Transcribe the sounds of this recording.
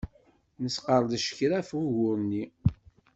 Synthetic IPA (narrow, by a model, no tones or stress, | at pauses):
nəsqəɾˤd̪ʃə̥çɾæfuʝʊɾnːi